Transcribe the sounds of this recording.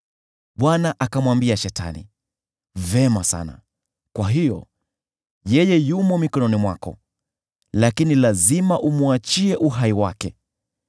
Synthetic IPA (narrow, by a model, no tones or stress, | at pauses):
ɓwanaʔakamwambiaʃɛta̰nḭ | vɛmasa̰na̰ | kwaɦijɔ̰ | jɛjɛjumɔmikɔnɔnimwa̰kɔ̰ | lakinilazimaʔumuat͡ʃiɛʔuɦaiwakɛ